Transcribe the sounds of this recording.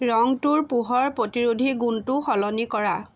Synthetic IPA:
ɹɔŋtuɹpuɦɔɹpɹotiɹudʱiɡuntuxɔlɔnikɔɹa

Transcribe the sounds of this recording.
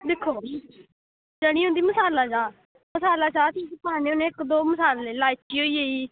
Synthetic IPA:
d̪ɪkʰːoː | d͡ʒəɽ̃iːoʊ̃ːnd̪iːməsaːlaːd͡ʒãː | məsaːlaːt͡ʃaːt̪ʰiːsp̪aːneːʊnẽɪkd̪oːməsaːlːeːlaːjt͡ʃiːɦoːiːɦoːiː

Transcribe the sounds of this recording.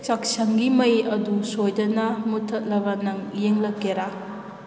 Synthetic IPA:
t͡ʃak̚sɐŋɡimɐjɐdusojdɐnɐmutʰːɐt̚lɐbɐnɐŋjeŋlɐkːeɾa

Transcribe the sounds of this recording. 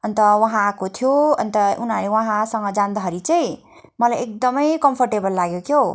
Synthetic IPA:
ʌnt̪ʌwʌɦãkot̪ʰijoʌ̰nt̪ʌunɦalewʌɦãsʌŋɡʌd͡zand̪ʌɦʌɾit͡saj̃ | mʌlajek̚d̪ʌmʌjkʌmpʰʌrʈebʌlːaɡjokʰjo

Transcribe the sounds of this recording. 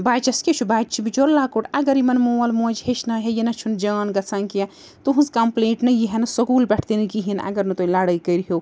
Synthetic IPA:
baːt͡ʃɐsket͡ʃʰubaːt͡ʃʰibit͡ʃoɾlaːkoʈʰɐɡɐɾimɐnmuwɐlmoːd͡ʒɦet͡ʃʰnɐɦejenɐt͡ʃʰund͡ʒaːnɡɐt͡sankija | t̪uɦunskɐmpleːʈnɐjiɦenɐsɐkuːlbɛʈʰt̪inikiɦinɐ̰ɡɐɾnɐt̪oilaːɽɐjkəɾɦow

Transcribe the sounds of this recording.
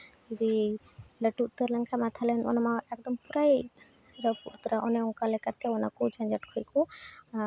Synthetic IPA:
d͡ʒud̪i | ləʈut̪əɾləŋkʰamat̪ʰalɛnɔ̰namaɛkd̪ɔmpuɾaj | ɾəpṵɾt̪ɾaʔɔneɔŋkalɛkat̪̚kʰeɔna̰kud͡ʒãnd͡ʒaʈkʰɔjku

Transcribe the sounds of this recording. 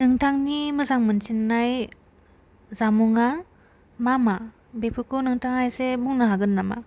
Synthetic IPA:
nɯŋtʰaŋnimɯzaŋmɯnt͡ʃinːaj | zamuŋa | mama | bepʰɯkʰɔnɯŋtʰaŋajsemuŋnɯɦaɡɯnːama̰

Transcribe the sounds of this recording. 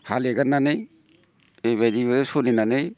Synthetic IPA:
haleɡanːanej | ejβajdiβasoninanɯj

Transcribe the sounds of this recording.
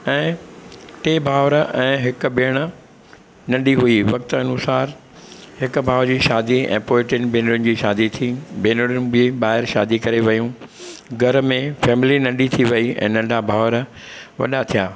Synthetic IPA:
ɛ̃ː | ʈeːbʱaːʋɾɛ̃ːɦɪkʊ̆beːɽ̃ə̆ | nɐ̃ɳɖiɦuiʋɐk̚t̪əɐnusaːɾ | ɦɪkʊbʱaːʋd͡ʑiːʃaːd̪iɛ̰̃ːpoːɪʈɪnbeːnɽʊnɪd͡ʑiːʃaːd̪it̪ʰibeːnəɽʊn̆bɪeɓaːɦɪɾʃaːd̪ikɐɾeʋɐjũɡʱɐɾmẽfɛːmɪlinɐ̃ɳɖit̪ʰiʋɐiɛ̰̃ːnɐ̃ɳɖʱabʱaːʋɾ | ʋɐ̰ɗat̪ʰijaː

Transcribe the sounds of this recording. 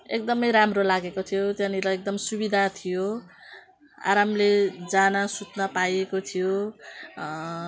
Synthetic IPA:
ek̚d̪ʌmʌjɾamrolaɡekot̪ʰijot̪jãnilaek̚d̪ʌmsubid̪ʱat̪ʰijo | a̰ɾamled͡zanasut̪nʌpajekot̪ʰijo

